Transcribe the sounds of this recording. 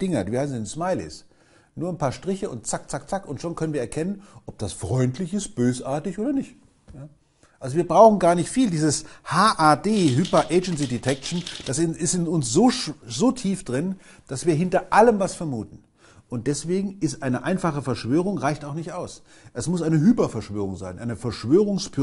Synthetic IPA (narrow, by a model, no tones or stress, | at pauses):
ɪŋɐdiːviːhaɪsnzɪnsmaɪlɪ̰s | nuːɐanpʰaːɐʃtʁ̥ɪçəʊ̰ntt͡sak̚t͡sak̚t͡sakʊntʃoːnkʰœnənviɐɛɐkʰɛnənʔɔp̚d̥asfʁ̥ɔʏntʰlɪçɪst̚b̥øːsʔaːɐtɪçʔoːdɐnɪçt | jaː | ʔalzoviːɐbʁaʊxn̩ɡaːɐnɪçtfiːldiːzəshaːʔaːdeːɦypɐʔeɪd͡ʒɛns̬idetʰɛk̚ʃn̩d̥asɪɪstɪnʊnsz̥oːʃz̥oːtʰiːfd̥ʁɪn | d̥asv̥iːɐɦɪntɐʔaləmvasfɛɐmuːtn̩ | ʔʊnt̚d̥ɛsv̥eːɡŋ̩ɪstʔaɪnəʔaɪnfaχəfɛɐʃv̥øːʁ̞ʊŋʁaɪçtaʊxnɪçtʔaʊs | ʔɛsmʊsʔaɪnəɦyːpɐfɛɐʃv̥øːʁ̞ʊŋzaɪnʔa̰ɪnəfɛɐʃv̥øːʁ̞ʊŋspʰy